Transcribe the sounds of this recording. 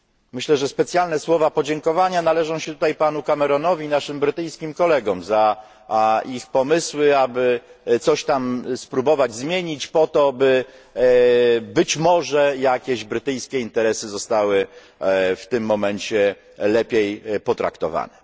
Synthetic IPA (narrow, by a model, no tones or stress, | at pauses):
mɘɕlɛʐɛspɛt̪sʲjalnɛswɔvapɔd͡ʑɛŋkɔvaɲanalɛʐɔ̃w̃ɕɛt̪ut̪ajpanukamɛɾɔnɔvʲinaʂɘmbɾɘt̪ɘjskʲimkɔlɛɡɔmza | ixpɔmɘswɘabɘt̪sɔɕt̪amspɾubɔvad͡ʑzmʲjeɲit͡ɕpɔt̪ɔbɘ | bɘt͡ɕmɔʐɛjakʲeʑbɾɘt̪ɘjskʲɛint̪ɛɾɛsɘzɔst̪awɘ | ft̪ɘmːɔmɛɲt͡ɕɛ | lɛpʲjejpɔt̪ɾa̰kt̪ɔva̰nɛ